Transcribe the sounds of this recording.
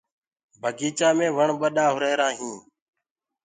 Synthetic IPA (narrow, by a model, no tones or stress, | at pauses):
bʱəɡiːt͡ʃaːmẽːʋəɳɓəɗaːɦʊɾeːɾãːɦĩː